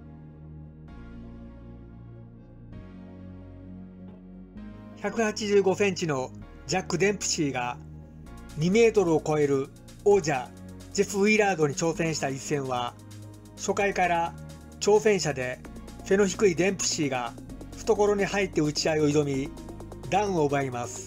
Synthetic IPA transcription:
çakɯ̟hat͡ɕiʑɨːɡo̞sẽ̞ɲt͡ɕino̞ | d͡ʑakːɯ̟d̪ẽ̞mpɯ̟̥ɕiːɡa | ɲ̟ime̞ːt̪o̞ɾɯo̞ko̞e̞ɾɯ̟ | oːd͡ʑa | d͡ʑiɸɯ̟iɾaːd̪o̞ɲ̟it͡ɕo̞ːsẽ̞ɰ̃ɕi̥t̪aisːẽ̞ɰ̃βa | ɕo̞kaikaɾa | t͡ɕo̞ːsẽ̞ɰ̃ɕad̪e̞ | se̞no̞çi̥kɯ̟id̪ẽ̞mpɯ̟̥ɕiːɡa | ɸɯ̟̥t̪o̞ko̞ɾo̞ɲ̟ihait̪ːe̞ɯ̟t͡ɕiaio̞iɾo̞mʲi | d̪ãɯ̃o̞ɯbaimasɨ̥

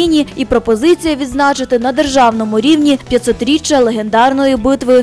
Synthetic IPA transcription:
inʲiipɾɔpɔzɪt͡sʲijɐʋʲid̪znɑt͡ʃɪt̪ɪnɐd̪erʒɑwnɔmʊɾʲiwnʲipʲjɐt̪ʲsɔt̪ɾʲit͡ʃːɐlˠeɦe̞nd̪ɑrnɔjibɪt̪ʋɪ

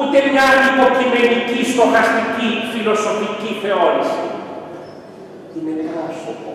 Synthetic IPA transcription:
ut̪eniat̪ikokinenikiskokast̪ikifilosofikiθeoɾisḭ | kineneasopo

